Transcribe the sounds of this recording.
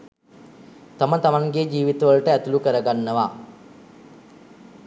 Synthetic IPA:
t̪amət̪amaŋɡed͡ʒiːʋit̪əʋəlʈəæt̪ulukəɾəɡanːəʋa

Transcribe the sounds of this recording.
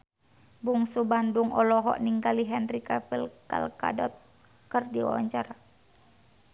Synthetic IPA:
buŋsubanduŋɔlɔɦɔ̰ʔniŋɡaliɦɛnrikapilka̰lka̰dɔt̪̚ | kərdiwa̰wa̰ɲt͡ʃaɾa

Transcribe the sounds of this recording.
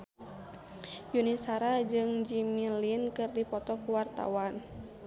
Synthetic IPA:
junisaɾad͡ʒɨŋd͡ʒimilinkɨrdipɔt̪ɔkuwart̪a̰wan

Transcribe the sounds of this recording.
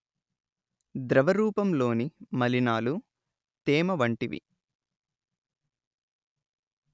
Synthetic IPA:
d̪ɾɐʋɐɾuːpɐmlo̞ːnimɐlinaːlu | t̪eːmɐʋɐɳʈiʋḭ

